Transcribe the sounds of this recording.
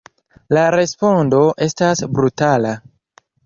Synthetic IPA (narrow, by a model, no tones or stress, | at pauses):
laɾe̞spo̞ndo̞ʔe̞stasbɾutala